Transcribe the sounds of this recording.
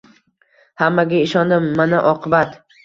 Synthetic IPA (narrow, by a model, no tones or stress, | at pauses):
hamːaɡʲaɪʃɒnd̪ɪmːanaʔɒqʰɨbat̪